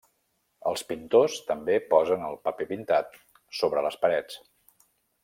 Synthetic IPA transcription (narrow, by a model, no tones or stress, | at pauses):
əlˠspint̪ost̪əmbepɔzənəlˠpəpepint̪at̪̚ | soβɾələspəɾɛt͡s